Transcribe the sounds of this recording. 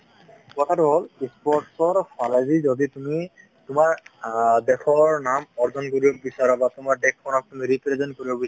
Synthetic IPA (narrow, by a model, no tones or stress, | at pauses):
kɔtʰatuɦolispɔɹʈsɔɹfʰalazizoditumi | tʊmaɹdekʰɔɹnamɔɹzɔnkoɹibɔbisaɹɔbatʊmaɹdɛkʰːɔnɔk̚tumiɹipɹezɔnkoɹibɔbis